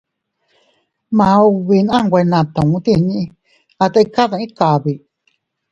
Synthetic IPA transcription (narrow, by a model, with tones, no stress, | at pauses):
mã˨o˧βi˧nã˦˧ŋ˧ɡʷe˧nã˨t̪ã˨ŋũ˧t̪i˦˧˨ɲĩ˦˧ | a˧t̪a˧i˧ka˦ðã˧ĩ˦ka˨βi˨